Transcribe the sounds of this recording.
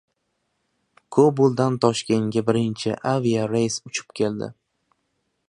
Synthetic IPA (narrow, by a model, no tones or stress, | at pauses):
kʰobʊlˠd̪ant̪ʰɒʃkʲeŋɡʲabɪɾɪnt͡ʃʰɪ̰ʔaviaɾejsʊt͡ʃʰɪ̥pkʲʰe̞ld̪ɪ̰